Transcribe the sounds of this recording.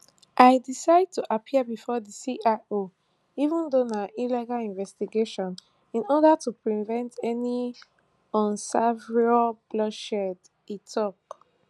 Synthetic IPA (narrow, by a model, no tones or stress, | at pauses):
ʔaɪdisaɪd̚tʰuʔapʰiəbifɔdisiʔao | ivũndonaʔilɛɡalĩnvɛstiɡeʃɔ̃n | ĩnɔdatʰupɹivɛ̃ntʰɛni | ɔ̃nsavɹialb̥lɔʃɛd | itʰɔk